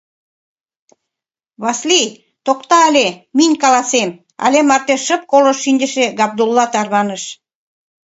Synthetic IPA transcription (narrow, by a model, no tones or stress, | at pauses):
βɑslij | t̪okt̪ɑəlʲeminʲkɑlɑsem | ɑ̰lʲemɑrt̪eʃə̆p̚koləʃːinʲd̪ʲə̆ʃeɡɑb̚d̪ulːɑt̪ɑrβɑnəʃ